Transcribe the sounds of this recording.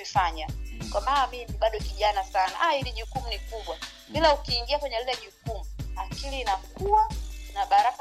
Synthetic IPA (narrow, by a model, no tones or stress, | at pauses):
ifaɲakwamanamimiɓaɗɔkiʄanasanaʔahiliʄukum̩nikuɓwa | ɓilaukiːŋɡiakwɛɲɛlilɛʄukumuakiliːnakuwanaɓaɾak